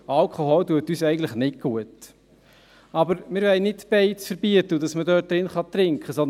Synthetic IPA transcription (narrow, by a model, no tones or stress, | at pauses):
ʔɑlkʰoɦɔltuətyːsɛɪɡən̩tləχnɪt̚ɡ̥uət | ɑbəɾmɪːɾvɛɪnɪtb̥ɛɪt͡sfəɾbiətəudɑsmədœːt̚d̥ɾɪnχɑtɾɪŋkχəsɔn